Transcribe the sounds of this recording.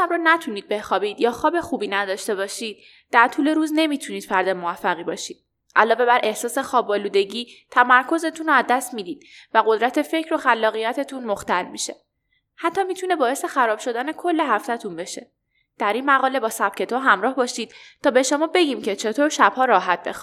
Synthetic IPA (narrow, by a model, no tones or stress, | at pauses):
ʃæbɾɔːnæt̪ʰuniːd̪̚be̞xɒːbiːd̪̥jɒːxɒːbe̞xuːbiːnæd̪ɒːʃt̪e̞βɒːʃiːd̪̥̚ | d̪æɾt̪ʰuːle̞ɾuːzne̞miːt̪ʰuniːd̪̥fæɾd̪emovæfːæɣiːbɒːʃiːd̪̥̚ | ʔælɒːve̞bæɾʔe̞hsɒːse̞xɒːbɒːluːd̪e̞ɟiːt̪ʰæmæɾkʰo̞ze̞t̪ʰunoæzd̪æst̪miːd̪iːd̪̥dvæɣo̞d̪ɾæt̪ʰe̞fe̞cʰɾo̞xælːɒːɣijæt̪ʰe̞t̪ʰunmoxt̪ælmiʃe̞ | hæt̪ʰːɒːmit̪ʰune̞bɒːe̞se̞xæɾɒːb̥ʃo̞d̪æne̞kʰo̞lːe̞ɦæft̪æt̪ʰunbe̞ʃe̞ | d̪̥æɾiːnmæɣɒːle̞bɒːsæb̥̚cʰe̞t̪ʰoɦæmɾɒːhbɒːʃiːd̪̥̚t̪ʰɒːbe̞ʃo̞mɒːbe̞ɟiːmcʰe̞t͡ʃʰe̞t̪ʰoːɾʃæbhɒːɾɒːɦæt̪̚b̥ḛx